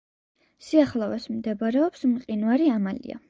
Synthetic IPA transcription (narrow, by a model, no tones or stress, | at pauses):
siaχlˠavasmd̪ɛbaɾɛɔpsmqʼinvaɾiamalḭa̰